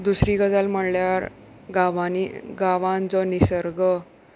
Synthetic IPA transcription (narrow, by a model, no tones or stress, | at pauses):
d̪usɾiːɡəd͡zalm̤əɽljaɾ | ɡaʋaniɡaʋãnd͡zɔnisəɾɡə